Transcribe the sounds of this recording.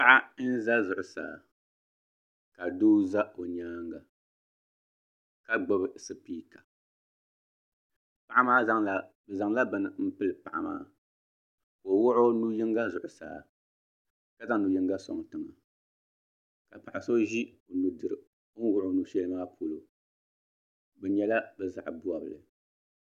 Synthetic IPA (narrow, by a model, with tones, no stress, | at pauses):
pa˦ʔa˦n̩˦za˦zʊ˨ʔʊ˨sa̰ː˨ | ka˨doː˦za˦o˨ɲaː˦ŋɡa˨ | ka˦ɡ͡bɔ˦bɨ˨sɨ˦piː˦kʰa˨ | pa˨ʔa˦maː˦za˦ŋla˨ | bɨ˨za˨ŋla˦bɨ˨nɨ˨m̩˦pɨ˦lɨ˨pa˨ʔa̰˨ma̰ː˦ | ko˨wʊ˦ʔo˦nu˦ji˦ŋɡa˦zʊ˨ʔʊ˨sa̰ː˦ | ka˦za˦ŋ˦nu˨ji˦ŋɡa˦sɔ̰˨ŋ˨tɨ˨ŋa˨ | ka˨pa˨ʔa˨so˦ʒi˦o˨nu˨dɨ˨ɾɨ˨˦ | wʊ˦ʔʊ˨nu˦ʃɛ˦lɨ˦maː˦pʰo˨lo˨ | bɛ˨ɲɛ˦la˦bɨ˨za̰˨ʔbu˦a˨bɨ̰˨lɨ̰˨